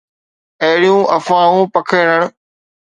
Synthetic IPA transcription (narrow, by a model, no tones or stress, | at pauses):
ɐɦɪɽijũːʔɐfãːũːpɐkʰəːɽəɽ̃